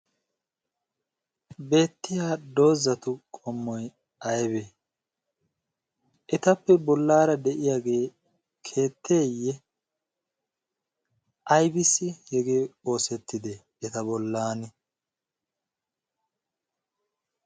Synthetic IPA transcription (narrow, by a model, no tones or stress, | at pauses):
be̞ːt̪ːɪjaːd̪o̞ːzɐt̪ʊkʼɔmːɔj | ʔɐjbe | ʔɛt̪ɐpːɛbɔlːaːɾɐd̪ɛʔɪjaːɡe̞ː | kʰe̞ːt̪ːeːjːɛ | ʔɐjbɪsːɪhɛɡe̞ːo̞ːsɛt̪ːɪd̪ɛ | ɛt̪ɐbɔlːaːnɛ